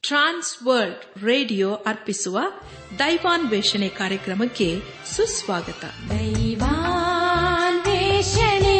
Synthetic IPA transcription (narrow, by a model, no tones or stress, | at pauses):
ʈɾaːnsʋɐɾɖ | ɾeːɖijoːʔɐɾpisuʋɐ | d̪ɐjʋaːnʋeːʂɐɳekaːɾjɐkɾɐmɐkːe | susʋaːɡɐt̪ɐ̰d̪ɐjʋa | nʋeːʃɐne